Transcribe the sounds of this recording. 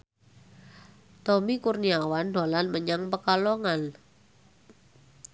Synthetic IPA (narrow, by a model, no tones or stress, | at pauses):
t̪ɔmikurniawanda̤lanməɲaŋpəkɔlɔŋan